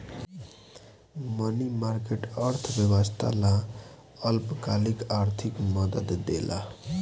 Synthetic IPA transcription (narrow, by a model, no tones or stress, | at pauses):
mʌnimarkeʈʌɾt̪ʰbjʌbʌst̪ʰa̰la | ʌlpkalikaɾt̪ʰikmʌd̪əd̪ːḛlʔa̰